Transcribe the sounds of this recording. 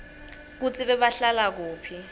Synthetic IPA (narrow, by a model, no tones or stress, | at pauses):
k̬ut͡sʼiɓɛɓaɬalak̬uːpʰi